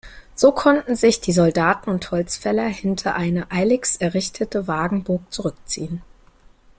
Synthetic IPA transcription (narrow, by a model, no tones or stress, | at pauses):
z̥oːkʰɔntn̩zɪçd̥iːzɔldaːtn̩ʊnthɔlt͡sfɛlɐhɪntʰɐʔaɪnəʔaɪlɪksɛɐʁɪçtʰətəvaːɡŋ̩boːk̚t͡suʁʏk̚t͡sḭːən